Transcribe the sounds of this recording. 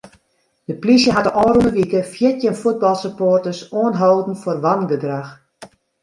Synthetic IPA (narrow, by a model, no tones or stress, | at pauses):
d̥əplisjəɦatəɔːrunəʋikəfjɪtjənfud̚bɑlˠsəpoːrtəsoənɦowdn̩forʋanɡədrax